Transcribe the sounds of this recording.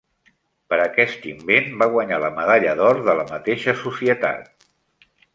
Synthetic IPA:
pəɾəkɛst̪imbenbaɣwəɲaləməðaʎəðɔɾðələmət̪eʃəsusiət̪a̰t̪̚

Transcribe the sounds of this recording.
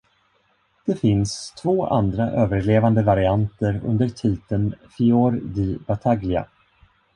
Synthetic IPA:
d̪̥ɛfɪnst̪ʰvoːʔa̰nd̪ɾaʔøːvəɭeːvand̪əvaɾɪant̪əɾɵ̰nd̪əʈʰiːt̪ənfɪoːɾd̪ibat̪ʰaɡlɪa̰

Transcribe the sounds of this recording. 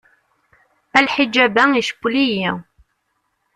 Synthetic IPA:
ælħid͡ʒæbæiʃə̥kʷːliji

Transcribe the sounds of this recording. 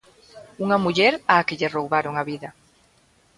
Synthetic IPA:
uŋɐmuʎɛɾaːkɪʎɪrowβaɾoŋaβiðɐ

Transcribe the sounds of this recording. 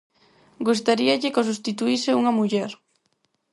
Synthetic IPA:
ɡust̪aɾiɐʎɪkos̬ust̪it̪uisɪuŋɐmuʎɛɾ

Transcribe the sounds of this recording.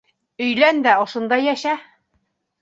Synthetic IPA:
ɵ̆jlænd̪æŏʃɤ̆nd̪ɑjæʃæ

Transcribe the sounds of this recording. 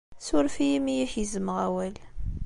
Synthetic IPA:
sʊɾfijimijiçizəməʁæwæl

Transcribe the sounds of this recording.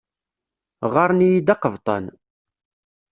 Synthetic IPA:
ʁɑɾˤnijid̪ɑqəvt̪ˤɑ̰n

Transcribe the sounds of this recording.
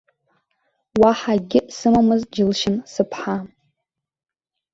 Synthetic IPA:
waħaɡʲɪsɨmamɨzd͡ʒɪlʃɪmsɨpʰħa

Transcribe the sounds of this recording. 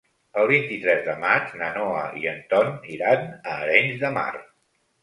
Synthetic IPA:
əlˠβ̞int̪it̪ɾɛzðəmat͡ʃnənɔəiənt̪ɔniɾanəːɾɛɲzðəma̰r

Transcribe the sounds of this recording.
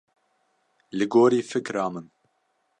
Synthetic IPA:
lɨɡoːɾiːfɨkɾɑːmɨn

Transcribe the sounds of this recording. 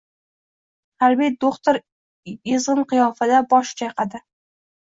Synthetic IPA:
halbed̪oχt̪oɾ | ɪzʁɨnqɨjɒfad̪abɒʃt͡ʃʰajqʰɑd̪ɪ

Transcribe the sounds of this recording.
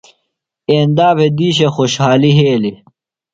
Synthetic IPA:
eːnd̪aːpʰed̪iːɕexoɕhaːliɦeːli

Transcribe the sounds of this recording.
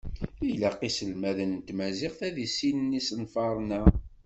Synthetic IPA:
ilæqisəlmæðənt̪mæziqθæðisinənːisənfɑɾˤnæ

